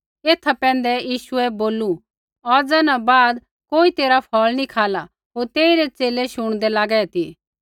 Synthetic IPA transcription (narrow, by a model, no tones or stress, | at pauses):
eːt̪ʰapɛ̃ːnd̪ɛjiːʃʊɛboːlu | ɔɾd͡zaːnãbaːd̪ | koːit̪eːɾapʰɔlnikʰaːla | ɦoːɾt̪eːiɾɛt͡seːlɛʃʊɽ̃d̪ɛlaːɡɛɛt̪iː